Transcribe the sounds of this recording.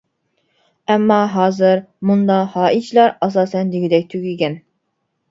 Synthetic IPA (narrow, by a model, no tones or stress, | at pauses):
ɛmːɑɦɑːzɨɾmund̪ɑhɑːʔit͡ʃʰilˠɑɾɑs̬ɑːsɛnd̪iɡʲid̪ɛk̚ʲt̪ʰyɡʲiɡʲɛn